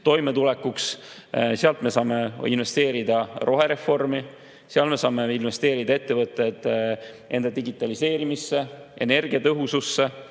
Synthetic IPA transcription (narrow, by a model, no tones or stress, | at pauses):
t̪o̞jme̞t̪ulɛkːuks | seɑlt̪me̞sɑːme̞inve̞st̪e̞ːɾid̪̥ɑɾo̞ɦe̞ɾe̞fo̞rmi | seɑlme̞sɑːme̞inve̞st̪e̞ːɾid̪ɑe̞t̪ːe̞vɤt̪ːˑe̞d̪̥ | ʔe̞nd̪̥ɑd̪̥iɡit̪ːˑɑlise̞ːɾimisːe̞ | e̞̰ne̞rɡ̥iɑt̪ɤɦususːe